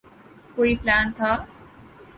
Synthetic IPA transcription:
koiplaːnt̪ʰʌ

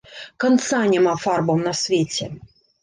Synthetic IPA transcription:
kɐnt̪sanʲɛmafarbɐmnɐsʲvʲet͡sʲɛ

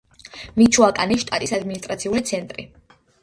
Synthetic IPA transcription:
mit͡ʃʰuakʼaniʃt̪ʼat̪ʼisad̪minist̪ʼɾat̪sʰiulit̪sʰɛnt̪ʼɾi

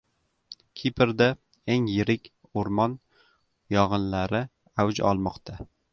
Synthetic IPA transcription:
kʲʰipʰɪɾd̪a | eŋjɪɾɪkʲ | oɾmɒn | jɒʁɨnlaɾɪ | awd͡ʒɒ̰lˠmɒqt̪ʰa

